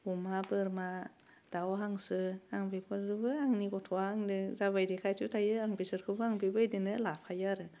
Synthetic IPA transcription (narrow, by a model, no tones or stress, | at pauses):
umabɯɾma | d̥awɦaŋsɯaŋbikʰɔdɯbɯaŋniɡɔtʰɔhaŋdɯzaβajdikʰajtʰutʰajɯaŋbisɯɾkʰɯbɯaŋbibɯjdinɯlapʰajaɾɯ